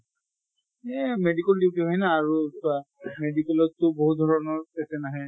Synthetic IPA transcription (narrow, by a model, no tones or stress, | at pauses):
ɛmedikɛldiwtiɦɔjnaːɹuswa | medikɛlɔtːʊboɦut̚d̪ʱɔɹɔnɔɹpɛsɛnaɦɛ